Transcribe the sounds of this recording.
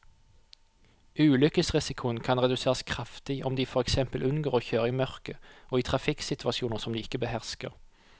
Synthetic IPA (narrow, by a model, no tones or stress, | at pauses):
ʉːlʏkəsʁɪsɪkʰʊənkʰɑnʁɛd̪ʉseːʁɑskʰʁɑft̪ɪɔmd̪iːfɔʁɛksɛmpəlʔʉnɡoːʁoːçøːʁiːmœʁkəʔoːiːt̪ʰʁɑfɪksɪt̪ʰʉʋɑʃɪuːnəsɔmd̪iːɪkːəbəhæʁskə̰ʁ